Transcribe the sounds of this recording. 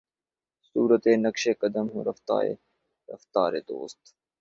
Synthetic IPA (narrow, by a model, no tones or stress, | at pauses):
suːɾət̪eːnɐkʃeːkɐd̪əmɦṵ̃ɾɐft̪a̰ːḛː | ɾɐ̰ft̪aːɾḛːd̪o̰ːst̪